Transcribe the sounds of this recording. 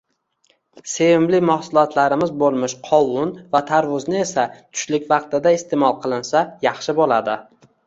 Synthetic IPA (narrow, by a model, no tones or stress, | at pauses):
se̞vɪmlɪmahsʊlˠɒt̪ʰlaɾɪmɪzbolˠmɪʃqʰɒwʊnvat̪ʰaɾvʊznɪe̞sat̪ʰʊ̥ʃlɪkʲvɑqt̪ɪd̪aɪst̪ʰe̞mɒlˠqʰɨlˠɪnsajɑχʃɪbolad̪ɪ